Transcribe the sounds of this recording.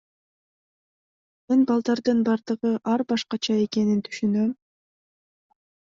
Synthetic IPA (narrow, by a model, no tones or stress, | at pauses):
me̞nbɑlˠd̪ɑɾd̪ɯnbɑɾd̪ɯʁɯʔɑɾbɑʃqɑt͡ʃʰɑe̞ke̞nint̪ʰy̥ʃynøm